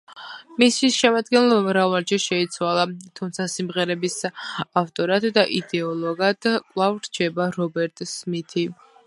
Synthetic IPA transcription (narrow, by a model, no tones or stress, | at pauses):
misiʃɛmad̪ɡɛnlˠɔbamɾavaɾd͡ʒɛʃɛit̪sʰwalˠat̪ʰumt̪sʰasimʁɛɾɛbisaft̪ʼɔɾat̪ʼd̪aʔid̪ɛɔlˠɔɡad̪̥kʼlˠavɾt͡ʃʰɛbaɾɔbɛɾt̪ʼsmit̪ʰi